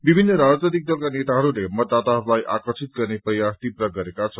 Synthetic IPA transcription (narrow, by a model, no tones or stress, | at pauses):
bibʱinːʌɾad͡zt̪ʌd̪ik̚d̪ʌlkanet̪aɦʌɾulemʌd̪ːat̪aɦʌɾulajʔakʌrt͡sʰit̪̚ɡʌrneprʌjast̪iprʌɡʌɾekat͡sʰʌ